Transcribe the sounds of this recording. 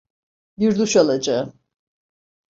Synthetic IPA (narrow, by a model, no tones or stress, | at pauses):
biɾd̪uʃalˠad͡ʒaɯ